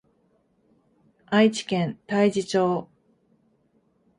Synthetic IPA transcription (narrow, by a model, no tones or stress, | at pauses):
ait͡ɕi̥kẽnt̪aid͡ʑit͡ɕo̞ː